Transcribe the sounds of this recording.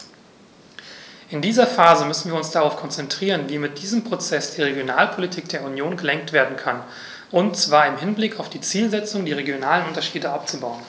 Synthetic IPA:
ʔɪndiːzɐfaːzəmʏsn̩viːɐʊnsd̥aʁaʊfkʰɔnt͡sɛntʁ̥iːʁ̞ənviːmɪt̚d̥iːzəmpʁ̥ot͡sɛsd̥iːʁ̞eɡjonaːlpʰolitʰiːk̚d̥eːɐunjoːnɡəlɛŋk̚tv̥eːɐdn̩kʰan | ʔʊntt͡sv̥aːɐɪmɦɪnblɪkaʊfd̥iːt͡siːlzɛt͡sʊŋdiːʁ̞eɡjonaːlənʔʊntɐʃiːdəʔap̚t͡subaʊən

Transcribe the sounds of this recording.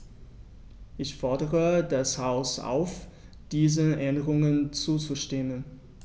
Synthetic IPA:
ʔɪçfɔɐdəʁədashaʊsʔa̰ʊf | d̥iːzəʔɛndəʁʊŋənt͡suːt͡suʃtemən

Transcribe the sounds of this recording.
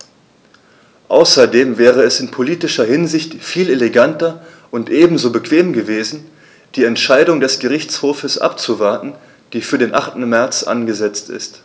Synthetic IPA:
ʔa̰ʊsɐdeːmvɛːʁ̞əɛsɪnpʰoliːtɪʃɐhɪnzɪçtfiːleleɡantɐ | ʔʊntʔeːbm̩zoːbəkv̥eːmɡəveːzn̩ | d̥iːɛntʃaɪdʊŋdɛsɡ̥əʁ̞ɪçt͡shoːfəsʔa̰pt͡suvaɐtn̩ | d̥iːfyːɐdeːnʔaχtn̩mɛɐt͡sʔa̰nɡəzɛt͡stɪ̰st

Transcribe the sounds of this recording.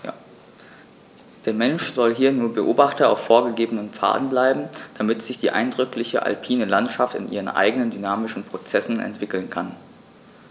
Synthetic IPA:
d̥eːɐmɛnʃz̥ɔlɦiːɐnuːɐbəʔoːbaχtɐa̰ʊfːoːɐɡəɡeːbənənpp͡fa̰ːdn̩blaɪbm̩d̥amɪtz̥ɪçd̥iːʔa̰ɪndʁʏklɪçə̰ʔa̰lpʰiːnəlantʃaftɪ̰nʔiːʁənʔa̰ɪɡənəndynaːmɪʃn̩pʁ̥ot͡sɛsn̩ʔɛ̰ntv̥ɪkl̩nkʰan

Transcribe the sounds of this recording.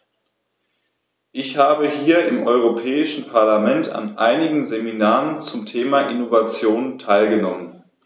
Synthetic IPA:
ʔɪçhaːbəhiːɐʔɪmʔɔʏʁ̞opʰɛːɪʃn̩pʰaɐlamɛnta̰nʔaɪnɪɡŋ̩zeminaːʁənt͡sʊmtʰeːmaʔɪnovat͡sjoːntʰaɪlɡənɔmən

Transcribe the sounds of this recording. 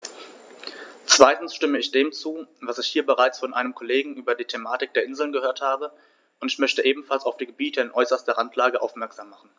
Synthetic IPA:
t͡sv̥aɪtn̩sʃtɪməɪçd̥eːmt͡suːvasɪçhiːɐbəʁaɪt͡sfɔnʔa̰ɪnəmkʰɔleːɡŋ̩ʔyːbɐdiːtʰemaːtɪk̚d̥eːɐʔɪnzl̩nɡəhøːɐthaːbə | ʔʊntɪçmœçtəʔeːbm̩falsaʊfd̥iːɡəbiːtʰəɪnʔɔʏsɐstɐʁantʰlaːɡəʔa̰ʊfmɛɐkz̥aːmːaχn̩

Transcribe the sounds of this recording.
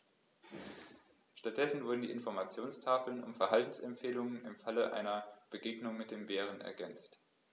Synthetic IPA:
ʃtat̚d̥ɛsn̩vʊɐdn̩diːʔɪnfɔɐmat͡sjoːnstʰaːfl̩nʊ̰mfɛɐɦaltn̩sɛmpfeːlʊŋənɪmfaləʔa̰ɪnɐb̥əɡeːɡnʊŋmɪt̚d̥eːmbeːʁ̞ənɛ̰ɐɡɛnt͡st

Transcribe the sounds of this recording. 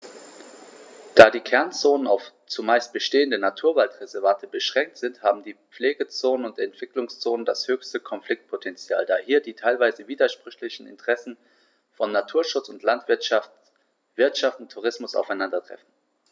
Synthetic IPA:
d̥aːdiːkʰɛɐnt͡soːnənaʊf | t͡sumaɪst̚b̥əʃteːəndənatʰuːɐvaltʁɛzɛɐvantʰəbəʃʁ̥ɛŋk̚tz̥ɪnthaːbm̩diːp͡fleːɡət͡soːnənʊntɛntv̥ɪklʊŋst͡soːnəndashøːçstəkʰɔnfl̥ɪk̚t̚pʰotʰɛnt͡sja̰ːldaːhiːɐdiːtʰaɪlvaɪzəviːdɐʃpʁ̥ʏçlɪçn̩ɪ̰ntəʁ̥ɛsn̩ | fɔnːatʰuːɐʃʊt͡sʊntlantv̥ɪɐʃaft | v̥ɪɐtʃaftʊntʰːuʁ̞ɪsmʊsa̰ʊfaɪnandɐtʁ̥ɛ̰fn̩

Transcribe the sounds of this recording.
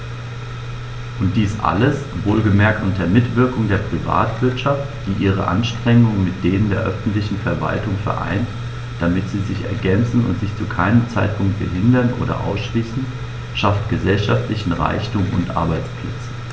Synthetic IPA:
ʔʊnt̚d̥iːsʔa̰ləs | voːlɡəmɛɐk̚tʔʊnteɐmɪtv̥ɪɐkʊŋdeːɐpʁ̥iva̰ːtv̥ɪɐtʃaftd̥iːʔiːʁ̞ə̰ʔa̰nʃtʁ̥ɛŋʊŋənmɪt̚d̥eːnəndeːɐʔœfn̩tlɪçn̩fɛɐva̰ltʊŋfɛ̰ɐʔa̰ɪnt | d̥amɪtz̥iːzɪçɛ̰ɐɡɛnt͡sn̩ʊ̰ntz̥ɪçt͡sukʰaɪnəmt͡saɪt̚pʰʊŋk̚t̚b̥əɦɪndɐnʔo̰ːdɐ̰ʔa̰ʊsʃliːsn̩ | ʃaftɡ̥əzɛlʃaftlɪçn̩ʁa̰ɪçtʊmʊ̰ntʔa̰ɐbaɪt͡spʰlɛt͡sn

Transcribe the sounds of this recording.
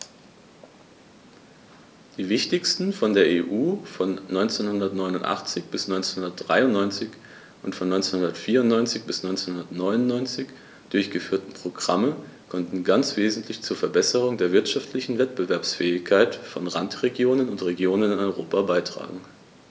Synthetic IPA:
d̥iːvɪçtɪçstn̩fɔndeːɐʔeːʔuːfɔnːɔʏnt͡seːnhʊndɐtnɔʏnʊntʔa̰χt͡sɪçb̥ɪsnɔʏnt͡senhʊndɐt̚d̥ʁa̰ɪʊnːɔʏnt͡sɪç | ʔʊntfɔnːɔʏnt͡senhʊndɐtfiːɐʊnnɔʏnt͡sɪçb̥ɪsnɔʏnt͡seːnhʊndɐtnɔʏnʊnːɔʏnt͡sɪç | d̥ʊɐçɡ̥əfyːɐtn̩pʁ̥oɡʁa̰məkʰɔntn̩ɡant͡sv̥eːzn̩tʰlɪçt͡suːɐfɛɐbɛsəʁ̞ʊŋdeːɐvɪɐtʃaftʰlɪçn̩vɛtb̥əvɛɐpsfɛːɪçkʰaɪtfɔnʁa̰ntʁ̥eɡjoːnənʊntʁ̥eɡjoːnənɪnɔʏʁoːpabaɪtʁ̥a̰ːɡŋ̩

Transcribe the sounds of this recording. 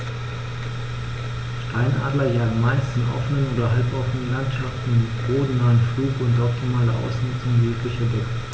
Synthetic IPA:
ʃtʰaɪnʔa̰ːdlɐjaːɡn̩maɪstɪnʔɔ̰fənənoːdɐɦalpʔɔfənənlantʃaftn̩mɪʁ̥oːdn̩naːənfluːkʊntʔɔp̚tʰimaːlɐʔa̰ʊsnʏt͡sʊŋjeːklɪçɛɐdɛk̚

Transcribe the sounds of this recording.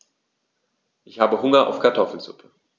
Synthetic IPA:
ʔɪçhaːbəɦʊŋɐʔa̰ʊfkʰaɐtʰɔfl̩z̥ʊ̰pʰə

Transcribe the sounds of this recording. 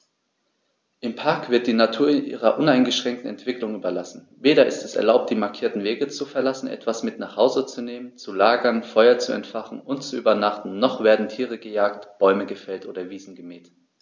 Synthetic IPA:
ʔɪmpʰaɐkv̥ɪɐt̚d̥iːnatʰuːɐɪnʔḭːʁɐʔʊnaɪnɡəʃʁ̥ɛŋk̚tn̩ɛ̰ntv̥ɪklʊŋʔyːbɐlasn̩ | veːɾɐɪ̰stɛsɛ̰ɐlaʊp̚td̥iːmaɐkʰiːɐtn̩veːɡət͡sufɛɐlasn̩ʔɛ̰tv̥asmɪtnaːχhaʊzət͡suneːmənt͡sulaːɡɐnfɔʏɐt͡suɛ̰ntfaχn̩ʔʊntt͡suʔyːbɐnaχtn̩nɔχv̥eːɐdn̩tʰiːʁəɡəjaːktb̥ɔʏməɡəfɛltʔoːɾɐviːzn̩ɡəmɛːt

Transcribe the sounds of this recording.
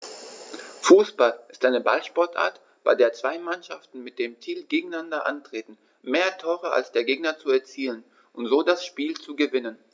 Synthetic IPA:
fuːsb̥alʔɪstʔaɪnəbalʃpɔɐtʔa̰ːɐt | b̥aɪdeːɐt͡sv̥aɪmanʃaftn̩mɪt̚d̥eːmtʰiːlɡeːɡŋ̩andɐʔa̰ntʁ̥eːtn̩ | meːɐtʰoːʁəa̰lsd̥eːɐɡeːɡnɐt͡suɛɐt͡siːlən | ʔʊntz̥oːdasʃpiːlt͡suɡəvɪnən

